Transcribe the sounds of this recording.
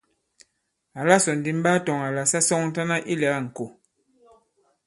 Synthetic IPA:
a˨la˦sɔ˨n̩˨di˨˦m̩˦ba˦tɔ˨ŋa˨la˨sa˦sɔ˦ŋn̩˦ta˦na˦ʔi˦lɛ˨˦a˦˨ŋ̩˨ko˨

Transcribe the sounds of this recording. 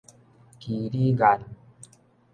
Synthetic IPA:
ki˨ɾi˦ɡa˨n

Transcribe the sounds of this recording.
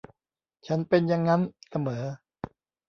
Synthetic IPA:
t͡ɕʰa˦˥npe˧nja˧ŋːa˦˥nsa˧mɤː˩˦

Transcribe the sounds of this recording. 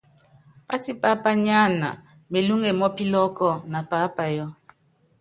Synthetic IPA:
a˦ti˦pa˦pa˦ɲa˦˨na̰˨ | me˨lu˦ŋe˨mɔ˦pi˦lɔ˦kɔ˦˨na˨paː˨˦pa˨jɔ˦

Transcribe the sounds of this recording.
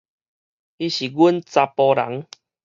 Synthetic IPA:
i˧ɕi˨˩ɡu˦nt͡sa˧pɔ˧ɾa̰˨˦ŋ

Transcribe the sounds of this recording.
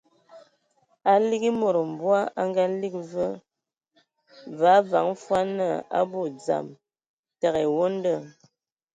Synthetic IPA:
a˨li˦ɡi˦mo˨ɾo˨m̩˨bwa˦ʔa˦ŋ˦ɡa˦li˦k̚və˦ | va˨˦va̰˨˦ŋ˦fwa˦nə˦˨a̰˦bo˦˨d͡za̰˨m | ta˨ɣɛ˨wo˦n˦də˦˨

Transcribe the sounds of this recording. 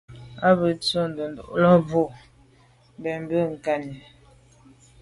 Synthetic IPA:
a˦bə˨t͡so˦n˨do˨ndo˨ʔlɔ˦bo˦˨ | bɛ˨m˦bə˦ŋ̩˨ka˦ni˨

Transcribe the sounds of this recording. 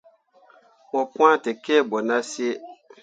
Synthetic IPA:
mɔ̃˨pũ˦ã˦˨tɛ˨kɛ˦˨bɔ˨nã˦si˦e˦

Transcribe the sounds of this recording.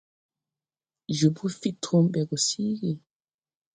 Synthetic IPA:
d͡ʒu˨bu˦fi˦tʰu˦mbɛ˨ɡu˨siː˦ɡi˨

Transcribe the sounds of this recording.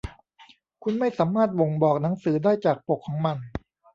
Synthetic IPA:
kʰu˧nma˥˩jsaː˩˦maː˥˩t̪̚wo˨˧˩ŋbɔː˨˩k̚na˩˦ŋsɯː˩˦daː˥˩jt͡ɕaː˨˩k̚po˨˩kʰːɔː˩˦ŋma˧n

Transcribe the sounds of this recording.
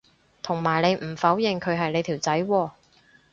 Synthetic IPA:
t̪ʰʊ˨˩ŋmaː˨˩jnle˨˧jm̩˨˩fɐ˨˥wjɪ˨˩ŋkʰɵ˨˧ɥɦɐ˨jne˨˧t̪ʰiː˨˩wt͡sɐ˨˥jwɔː˧

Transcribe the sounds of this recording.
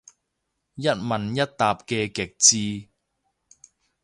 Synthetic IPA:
jɐ˥t̚mɐ˨˩njɐ˥t̚t̪aː˨p̚kɛː˧kɪ˨˩k̚t͡siː˧

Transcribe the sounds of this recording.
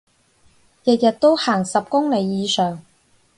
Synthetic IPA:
jɐ˨t̚jɐ˨t̚t̪o˥whaː˨˩ŋsɐ˨p̚kʊ˥ŋne˨˧jːiː˨˧sœː˨˩ŋ

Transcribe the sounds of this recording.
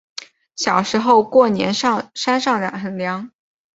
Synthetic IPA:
ɕjɑ˨˩ʊʂɻ̩˧˥xo˥˧ʊkwɔ˥˩njɛ̰˧˥nʂɑ˥˧ʂa˥nʂɑ˥˩ŋljɑ̰˨˩ŋxə˧˥ŋljɑ˧˥ŋ

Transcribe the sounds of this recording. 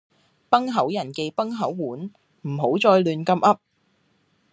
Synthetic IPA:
pɐ˥ŋɦɐ˨˥wjɐ˨˩nke˧jpɐ˥ŋɦɐ˨˥wːuː˨˥n | m̩˨˩ɦo˨˥wt͡sɔː˧jlyː˨nkɐ˧mʔɐ˥p̚

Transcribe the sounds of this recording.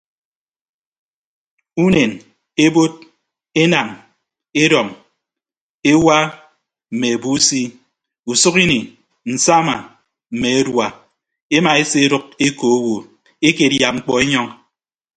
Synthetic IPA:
u˦ne˨n | e˦bo˦t̚ | e˦na˨ŋ | e˦ɾɔ˨ŋ | e˦wa˦ | m̩˨me˨e˨bu˦si˦ | u˨sʊ˦ki˦ni˨ | n̩˨sa˦ma˨ | m̩˨me˨e˦dwa˨ | e˦ma˨e˦se˦ɾʊ˦k̚e˦ko˨o˦wo˨ | e˦ke˨dja˨p̚ŋ͡m̩˦k͡pɔ˦e˦ɲɔ˦ŋ

